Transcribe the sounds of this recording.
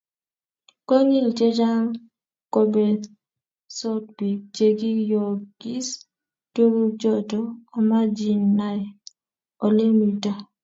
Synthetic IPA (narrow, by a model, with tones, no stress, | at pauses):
kɔ˦ɲi˦˨lt͡ʃe˦d͡ʒa˦ŋ | ko˦be˨ | sɔ˦t̚bi˨t͡ʃe˦ɡi˦jɔ˨ɡ̥i˦s | to˦ɾu˦t͡ʃɔ˦tɔː˨ma˦d͡ʒi˦nːa˨j | o˨le˦mi˨ta˨